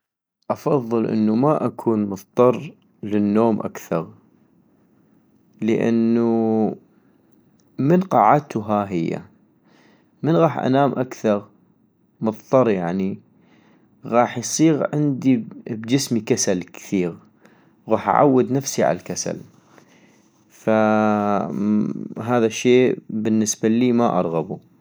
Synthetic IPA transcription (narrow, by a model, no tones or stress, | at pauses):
ʔɑfɑðˤːɨlʔə̰nːumaʔakʰuːnmʊðˤt̪ˤɑrˤ | lənːoːmʔa̰kθɑɣ | ləʔa̰nːu | mənqɑːʕat̪uɦaɦɪjːa̰ | mənɣɑːħʔa̰naːmʔakθɑɣ | mɑðˤt̪ˤɑɾˤjaʕni | ɣɑːħjsˤiːɣʕɪnd̪ibd͡ʒɪsmikasalkθiːɣ | ɣɑːħʔa̰ʕa̰wːɪd̪nafsiʕa̰lalkasa̰l | fa | ɦaːðaʃːeːbənːɪsbaliːmaʔɑ̰ɾˤɣabu